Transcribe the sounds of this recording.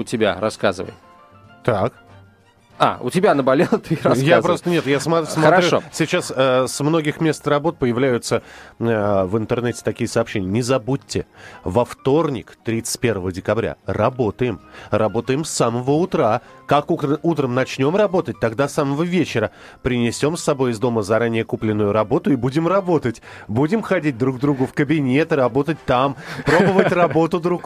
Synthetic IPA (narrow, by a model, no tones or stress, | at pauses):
ʊtʲɪbʲa̰ɾɐskazɨvə̰j | t̪ak | a̰ʊ̰tʲɪbʲanəbɐlʲelˠt̪ɨɾɐjaapɾost̪ənʲe̞t̪jasmɐssmɐt̪ɾɾʲuʂosʲɪt͡ɕasəsmno̞ɡʲɪxmʲe̞st̪rɐbo̞t̪̚pəjɪvlʲæjʊt̪sə | vɨnt̪ɨrnɛtʲɪ̥t̪ɐkʲijəsɐːpɕːenʲɪjənʲɪzɐbutʲːɪvɐft̪o̞rnʲɪkt̪ɾʲit̪sɨ̥t̚ʲpʲe̞rvəvədʲɪkɐbɾʲa̰rɐbo̞t̪əjɪmrɐbo̞t̪əjɪmsaməvəʊt̪ɾakakuut̪ɾəmnɐt͡ɕnʲo̞mrɐbo̞t̪ət̚ʲt̪ɐɡd̪asaməvəvʲet͡ɕɪɾə | pɾʲɪnʲɪsʲo̞msːɐbo̞jɪzd̪o̞məzɐɾanʲɪjəkuplʲɪnːʊjʊɾɐbo̞t̪ʊibudʲɪmrɐbo̞t̪ətʲ | budʲɪmxɐdʲit̚ʲd̪ɾuɡ̚d̪ɾuɡʊfkəbʲɪnʲe̞t̪ɨɾɐbo̞t̪ət̚ʲt̪ampɾo̞bəvətʲrɐbo̞t̪ʊd̪ɾuk